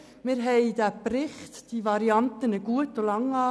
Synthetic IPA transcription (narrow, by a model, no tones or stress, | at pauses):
mɪɾɦɛɪdæprɪχtd̥iʋɑɾiɑnt̪ənəɡ̥uətolɑŋɑː